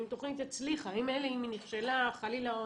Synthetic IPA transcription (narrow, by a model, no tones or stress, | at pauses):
imt̪o̞χnit̪et͡sliχaimeleiminiχʃelaχalilao